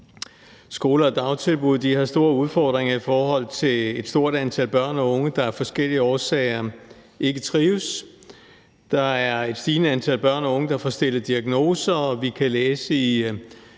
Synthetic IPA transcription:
sɡ̥o̝ːlɐɒd̥ɑ̈ʊt͡sʰe̝lb̥uð̞̰ˠd̥ihɑ̈sd̥o̝ːɐuð̞ˠfɒ̰ːd̥ʁeŋɐifɒːɦɒ̽l̰t͡sʰe̝led̥sd̥o̝ɐ̰d̥ænt͡sʰæl̰b̥ɶɐ̰nɒ̽ɔ̽ŋəd̥ɑ̈æɐfɒ̽sɡ̥el̰iəɒːsɛɪɐ | ʔe̝ɡ̥ət͡sʰʁiːʊs | d̥ɑ̈æɐe̝d̥sd̥iːnəænt͡sʰæl̰b̥ɶɐ̰nɒ̽ɔ̽ŋəd̥ɑ̈fɒsd̥e̝l̰ɐd̥iæɡ̥no̝ːsɐʋikʰæleːsəi

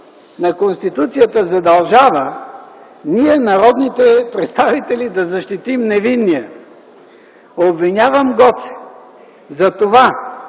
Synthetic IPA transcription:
nɐkonst̪it̪ut̪sijət̪əzɐd̪ɐlˠʒavə | niɛnɐɾɔd̪nit̪ɛpɾɛt̪st̪avit̪ɛlid̪ɐzɐʃt̪it̪imnɛvinːiə | obvinʲavəmɡɔt̪sɛ̥ | zɐt̪ova

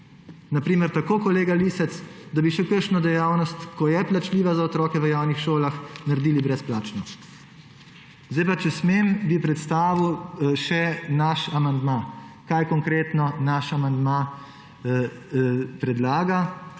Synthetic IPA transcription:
napɾiːməɾt̪akoːkɔleːɡalisɛt̪sd̪abiʃɛkəɾʃnɔd̪ɛjaːwnɔst̪kɔjɛplat͡ʃliːʋazaɔt̪ɾɔːkɛʋəjaːwnixʃoːlaxnaɾd̪iːlibɾɛsplaːt͡ʃnɔ | zd̪ajpat͡ʃɛsmeːmbipɾɛt̪st̪aːʋiwʃɛnaʃamand̪makajkɔŋkɾeːt̪nɔnaʃamand̪ma | pɾɛd̪laːɡa

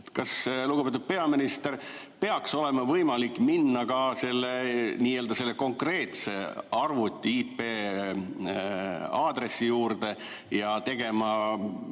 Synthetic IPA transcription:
t̪kɑsluɡupet̪ud̪̥̚pe̞ɑminist̪e̞r | pe̞ɑkso̞le̞mɑvɤjmɑlikːˑminːɑkɑse̞lːeniːe̞ld̪ɑse̞lːe̞ko̞ŋkre̞ːt̪se̞̰ɑrvut̪ʲːˑiipːeː | ɑːd̪̥re̞sːijuːɾd̪̥e̞ | jɑt̪e̞ɡ̥e̞mɑ

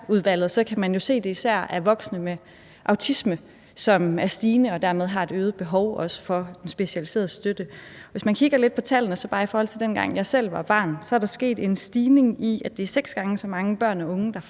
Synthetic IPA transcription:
uð̞ˠʋæl̰ð̞̩ˠsɒ̽kʰæmænjo̝se̝̰ːd̥e̝isæɐ̰æɐʋɒ̽ɡ̥snəme | ʔɑ̈ʊt͡sʰismə | sɒ̽mæɐsd̥iːnəɒ̽d̥æɐmeð̞ˠɦɑ̈e̝d̥øːð̩ˠb̥e̝ɦɒʊɒ̽sə̥fɒ̽d̥ensb̥e̝ɕælise̝̰ːɐð̩ˠsd̥ød̥əʋe̝smænkʰiɡ̥ɐle̝d̥̚pʰɒ̽t͡sʰæl̰n̩əsɒ̽b̥ɑ̈ːifɒːhɒlt͡sʰe̝ld̥enɡ̥ɑ̈ŋ̰jɑ̈ɪsel̰ʋɑ̈b̥ɑ̰̈ːnsɒæɐɾɑ̈sɡ̥e̝̰ːd̥e̝nsd̥iːne̝ŋiæd̥e̝æɐseɡ̥sɡ̥ɑ̈ŋəsɒ̽mɑ̈ŋəb̥ɶɐ̰nɒɔ̽ŋəd̥ɑ̈

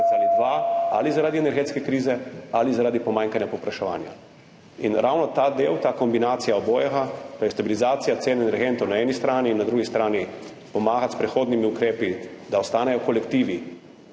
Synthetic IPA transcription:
alid̪ʋaa̰lizaɾaːd̪iɛnɛɾɡeːt̪skɛkɾiːzɛalizaɾaːd̪ipɔmãːŋkanjapɔpɾaʃɛʋa̰ːnja̰ | inɾawnɔt̪ad̪eːwt̪aːkɔmbinaːt̪sijaɔboːjɛɣat̪ɔjɛst̪abilizaːt̪sijat̪seːnɛnɛɾɡeːnt̪ɔwnaɛnist̪ɾaːniːnːad̪ɾuːɡist̪ɾaːni | pɔmaːɣat̪spɾɛxoːd̪nimiukɾeːpid̪aɔst̪aːnɛjɔkɔlɛkt̪iːʋi

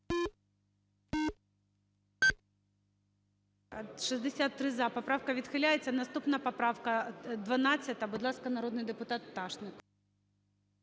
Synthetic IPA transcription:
ʃizd̪esʲat̪ːɾɪzapɔpɾɑwkɐʋʲid̪xɪlʲajet͡sʲːɐnɐst̪upnɐpɐpɾɑwkɐd̪ʋɐnɑt͡sʲːɐt̪ɐbʊd̪lˠɑskɐnɐɾɔd̪nɪjd̪epʊt̪ɑt̪ːɑʃnɪk

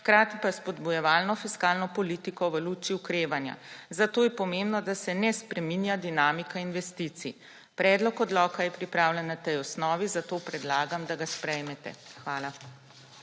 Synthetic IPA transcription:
xkɾaːt̪ipaspɔd̪bujɛʋaːlnɔfiskaːlnɔpɔliːt̪ikɔʋəluːt͡ʃiukɾeːʋanja̰zat̪oːjɛpɔmembnɔd̪asɛnɛspɾɛminjad̪inaːmikainʋɛst̪it̪sḭ | pɾɛːd̪lɔkɔd̪lɔːkajɛpɾipɾaːwlʲɛnːat̪ɛjɔsnɔːʋizat̪oːpɾɛd̪laːɡamd̪aɡaspɾɛjmɛt̪ɛ̰xʋaːla

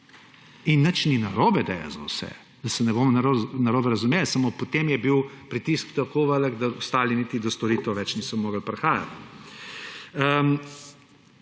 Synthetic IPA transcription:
inːət͡ʃninɐɾoːbɛd̪ɛ̰ja̰zɐwsɛ̰ | d̪̥ɐsɛnɛboːmɔnaɾonaɾoːbɛɾɐzumeːlsamopɔt̪emjɛbiwpɾit̪iskt̪ɐkoʋələɡd̪aɔst̪aːlinit̪id̪ɔst̪ɔɾiːt̪ɛwʋɛt͡ʃnisɔmoːɡəlpɾɛxaːja̰t̪ | əm

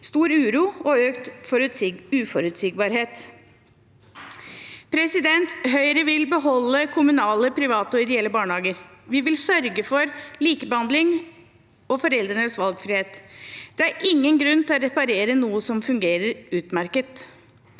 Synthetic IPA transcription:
st̪uːɾʉːɾuːɔøːkt̪ | ʉːfɔɾʉt̪sɪɡ̚bɑːɾheːt̪ | pʰɾɛsɪd̪ɛnt̪ɦœʏɾəʋɪlbəɦɔlːəkʰʊmʉnɑːləpʰɾɪʋɑːt̪əɔɪd̪ɛɛlːəbɑːɳəhɑːɡəɾʋɪʋɪlsœɾɡəfɔɾliːkəbəhɑnd̪lɪŋ | ɔfɔɾɛld̪ɾənəsʋɑlɡfɾiːheːt̪d̪̥ɛæɾɪŋːənɡɾʉnːt̪ʰɛlɔɾɛpɑɾeːɾənuːəsɔmfʉŋɡeːɾəɾʉːt̪mæɾkət̪

